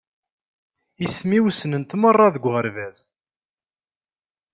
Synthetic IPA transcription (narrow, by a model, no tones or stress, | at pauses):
ismiwsənənt̪mərˤːɑðəɡʷʁəɾvæz̥